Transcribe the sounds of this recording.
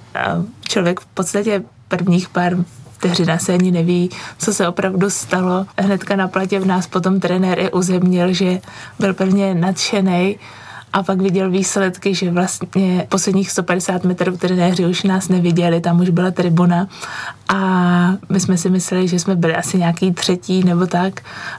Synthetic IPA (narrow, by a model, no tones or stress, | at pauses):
t͡ʃlovjɛkfpot̪st̪acɛ | pr̩vɲiːxpaɾt̪ɛɦrɪnasɛaɲɪnɛviːt͡so̞sɛo̞pɾavdust̪alo̞ɦnɛt̪kanaplacɛnaːspo̞t̪̬o̞mt̪ɾɛnɛɾʔɪʔuzɛmɲɪlʒɛbɪlpr̩vɲɛnat̪ʃɛnɛj | ʔapakvɪɟɛlviːslɛt̪kɪʒɛvlast̪ɲɛpo̞slɛdɲiːxst̪o̞padɛsaːt̪mɛt̪ɾuft̪ɾɛnɛːrɪuʃnaːsnɛvɪɟɛlɪt̪amuʒbɪlat̪ɾɪbunaʔamɪsmɛsɪmɪslɛlɪʒɛsmɛbɪlɪʔasɪɲaːkiːt̪r̝̥ɛciːnɛbo̞t̪ak